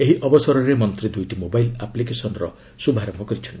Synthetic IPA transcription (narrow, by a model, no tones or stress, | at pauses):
eɦiʔɔbɔsɔɾɔɾemɔnt̪ɾid̪ujʈimobajlaplikesɔnɔɾɔ | subʱaɾɔmɔkɔɾit͡ʃʰɔnʈii